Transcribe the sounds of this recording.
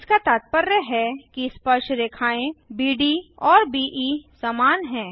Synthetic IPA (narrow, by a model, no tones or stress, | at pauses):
ɪskat̪aːt̪̚pəɾjəɦɛkispəɾʃɾeːkʰaːẽbiːɖiɔːɾbiːʔisaːmaːnɦɛ̃ː